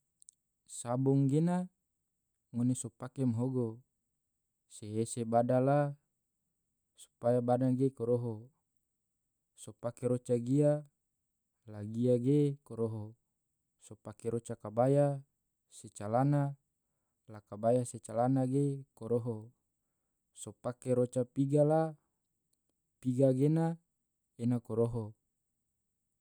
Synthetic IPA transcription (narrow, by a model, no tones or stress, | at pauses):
sabuŋɡena | ŋonesopakemɦoɡo | seːsebadala | su̥pajabadaɡekoɾoɦo | sopakeɾot͡ʃaɡia | laɡiaɡekoɾoɦo | sopakeɾot͡ʃakabaja | set͡ʃalana | lakabajaset͡ʃalanaɡekoɾoɦo | sopakeɾot͡ʃapiɡala | piɡaɡena | enakoɾoɦo